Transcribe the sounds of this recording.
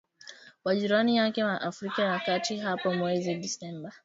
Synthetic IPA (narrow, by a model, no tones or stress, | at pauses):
waʄiɾanijakɛwaʔafɾikajakatiɦapɔmwɛziɗisɛmba